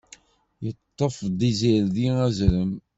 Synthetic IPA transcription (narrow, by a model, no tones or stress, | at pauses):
jət̪ˤːəfd̪ˤiziɾðiæzɾəm